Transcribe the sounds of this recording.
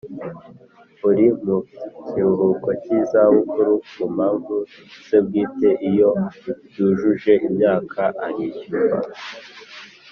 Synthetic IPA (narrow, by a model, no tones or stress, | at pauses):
uɾimuciuɦuko̞cizaβukuɾukum̤haːɱvu | z̥eb̚ɡiːte̞ʔijo̞juʒuʒe̞ʔimɲaːkʰaʔaɾiɟuba̰